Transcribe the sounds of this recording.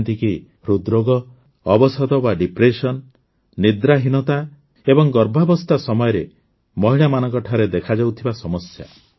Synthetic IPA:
nt̪iki | ɾud̪ɾoɡɔ | ɔbɔsɔd̪ɔbaɖipɾesɔnː | id̪ɾaɦinɔt̪a | ebɔŋɡɔɾbʱabɔst̪asɔmɔjɔɾe | mɔɦiɭamanɔŋkɔʈʰaɾed̪ekʰad͡ʒawt̪ʰibasɔmɔsja̰

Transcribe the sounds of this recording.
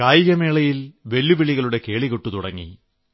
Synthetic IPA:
kaːjijɐmeːɭɐjilʋe̞lːuʋiɭiɣɐɭuɽe̞ke̞ːɭiɣoʈːut̪uɽɐ̰ŋːḭ

